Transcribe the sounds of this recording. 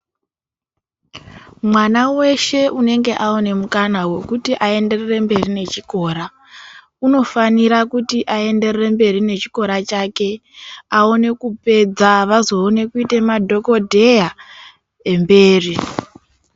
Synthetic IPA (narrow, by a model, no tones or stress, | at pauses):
mwanawe̞ʃe̞ʔune̞ŋɡe̞ʔaone̞mukanawe̞kutiʔae̞nde̞rere̞mbe̞rine̞t͡ʃiko̞ːɾa | uno̞faniɾakutiʔae̞nde̞rere̞mbe̞rine̞t͡ʃiko̞ɾat͡ʃake̞ao̞ne̞kupe̞d͡zaʋazo̞ːne̞kuite̞madʱo̞ko̞dʱe̞ja | e̞mbe̞ːri